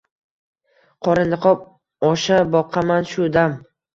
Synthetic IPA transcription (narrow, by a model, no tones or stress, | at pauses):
qʰɒɾɪnɨqʰɒp̚ | ɒʃabɒqʰamanʃʊd̪am